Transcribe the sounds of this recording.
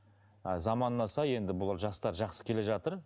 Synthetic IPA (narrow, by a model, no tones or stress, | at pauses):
zɑmɑnːɑsɑje̞nd̪ɪbʊlˠɑɾʒɑst̪ɑɾʒɑqsə̥kʲʰe̞le̞ʒɑt̪əɾ